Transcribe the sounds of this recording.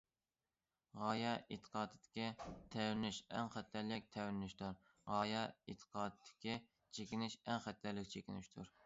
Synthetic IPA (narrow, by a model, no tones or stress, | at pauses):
ʁɑːjɑʔet̪ʰə̥qʰɑːd̪ɨd̪ɪ̥kʲit̪ʰɛwɪnɪʃɛ̰ŋχæt̪ːæɾlɪk̚ʲt̪ʰɛwɪnɪʃt̪uɾ | ʁɑːjɑet̪ʰə̥qʰɑːd̪ɨd̪̥ɪ̥kʲi | t͡ʃʰekʲɪnɪʃɛŋχæt̪ːæɾlɪkʲt͡ʃʰekʲinɪʃt̪ʰuɾ